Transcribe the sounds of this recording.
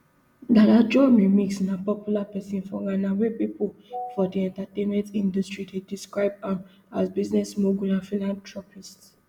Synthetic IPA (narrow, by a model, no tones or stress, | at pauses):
datad͡ʒɔmimiksnãpɔpjulapɛsĩnfɔɹãnawepipulfɔdiɛ̃ntatẽnmɛ̃ntĩndɔstɹidediskɹaɪb̚ã | asbiznɛsmoɡunãfĩlãntʰɹɔpists